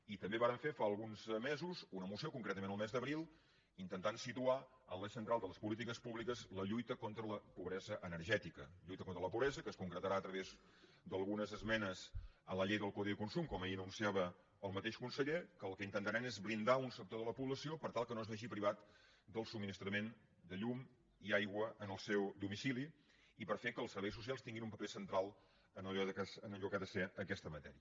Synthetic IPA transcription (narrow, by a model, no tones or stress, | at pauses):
it̪əmbeβaɾəɱfefaəlˠɣunzmezuzunəmusiokuŋkɾɛt̪əmẽnəlˠmɛzd̪əβɾilˠ | int̪ənt̪ansit̪uaənləsənt̪ɾalˠd̪ələspulit̪̬ikəspuβlikəzləʎujt̪əkont̪ɾələpuβɾɛzəʔənəɾʒɛt̪ikəʎujt̪əkont̪ɾələpuβɾɛzəkəskuŋkɾət̪əɾaət̪ɾəβez | d̪əlˠɣunəzəzmɛnəzələʎejðəlˠkoðikunsumkɔməjiənunsiaβəː | lˠmət̪eʃkunsəʎekəːlˠkəint̪ənt̪əɾɛmezβɾind̪aunsək̚t̪oðələpuβləsiopəɾt̪alˠkənozβɛʒipɾiβat̪ | d̪əlˠsub̚mːinist̪ɾəmen | d̪əʎum | iajɣwəənəlˠsɛwd̪umisiliː | pəɾfekəːlˠsəɾβɛjs̬ːus̬ialˠst̪iŋɡinumpəpesənt̪ɾalˠ | ənəʎɔðəkasənəʎukaðəsɛəkɛst̪əmət̪ɛɾiə